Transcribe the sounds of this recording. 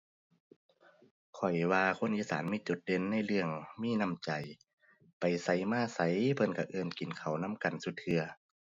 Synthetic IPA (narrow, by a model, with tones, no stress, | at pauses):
kʰɔ˨˩jwaː˧kʰo˧˥˨nʔiː˧˨saː˩˦nmiː˧˥˨t͡ɕu˨˧˦t̪̚de˧˥˨nːa˧˥˨jlɯ˧əŋmiː˧˥˨na˧˥˨mt͡ɕa˨˩j | pa˨˩jsa˨˦˩jmaː˧˥˨sa˧˦jpʰɤ˧˥˨nka˧˩ʔɤː˧˩nki˨nkʰa˨˩wna˧˥˨mka˨˩nsu˧˦t̪̚ʰːɯ˧ɐ